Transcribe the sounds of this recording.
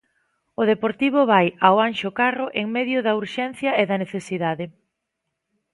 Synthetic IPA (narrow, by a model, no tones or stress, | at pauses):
ʊðepoɾt̪iβ̞ʊβajaoanʃʊkarʊʔeŋmeðjʊðɐuɾʃɛn̟θjɐeðɐneθesiðaðɪ